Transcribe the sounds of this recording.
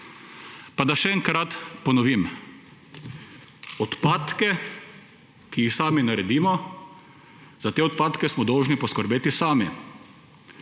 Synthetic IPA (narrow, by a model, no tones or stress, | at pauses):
pad̪aʃɛɛŋkɾat̪pɔnɔʋim | ɔt̪paːt̪kɛ | kiixsaːminaɾɛd̪iːmɔ | zat̪eːɔt̪̚paːt̪kɛsmɔd̪ɔwʒnipɔskəɾbeːt̪isaːmi